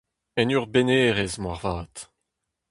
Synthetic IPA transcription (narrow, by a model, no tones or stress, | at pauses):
ɛnyʁbeneːʁezmwaʁvaːt̪